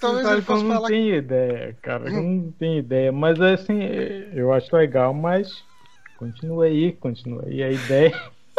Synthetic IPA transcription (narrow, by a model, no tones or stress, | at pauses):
sabɪkewnɐ̃w̃t̪ẽj̃uid̪ɛjɐ̰kaɾɐ̰kenɐ̃w̃t̪ẽj̃id̪ɛjɐmɐzɛsĩewaʃʊleɡawmɐs | kõt͡ʃinuɐikõt͡ʃinṵɐ̰ḭɐid̪ɛjɐ